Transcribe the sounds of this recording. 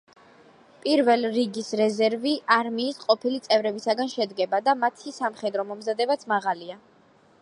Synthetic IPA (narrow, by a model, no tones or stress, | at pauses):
pʼiɾvɛlɾiɡisɾɛzɛɾviʔaɾmiːsqʼɔpʰilit̪sʼɛvɾɛbisaɡanʃɛd̪ɡɛbad̪amat̪ʰisamχɛd̪ɾɔmɔmzad̪ɛbat̪sʰmaʁalia